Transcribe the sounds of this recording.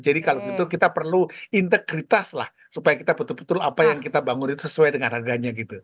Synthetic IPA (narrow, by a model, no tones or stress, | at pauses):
d͡ʒadikaloit̪ukit̪apərluint̪əkɾit̪asla̰h | supajakit̪apət̪ʊlpə̥t̪ʊlapajaŋkit̪abaŋʊnit̪usəsuajdəŋanharɡaɲaɡit̪u